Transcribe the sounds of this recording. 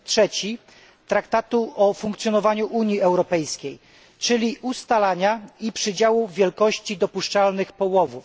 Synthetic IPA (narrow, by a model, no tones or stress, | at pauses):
tʂɛt͡ɕi | t̪ɾakt̪at̪uʔɔfuŋkt̪sjɔnɔvaɲuʔuɲiɛwɾɔpɛjskʲej | t͡ʂɘlʲiʔust̪alaɲaipʂɘd͡ʑawuvʲjɛlkɔɕt͡ɕid̪ɔpuʂt͡ʂalnɘxpɔwɔvuf